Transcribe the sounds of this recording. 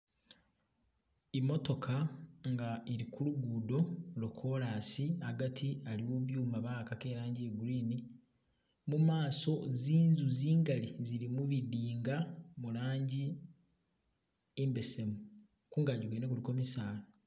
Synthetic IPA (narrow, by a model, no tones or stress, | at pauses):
imːo̞to̞kʰaŋɡaeɾikuluɡuːdo̞lo̞kʰo̞laːsiaɡatʰialiwoβjuːmaβaːkake̞ːɾaːɲɟieɡuɾiːni | mumaːso̞ziːnzuziːŋɡalizilimuβidiːŋɡamulaːɲɟi | embe̞se̞mu | kuːŋɡaɟukenekuliko̞misaːno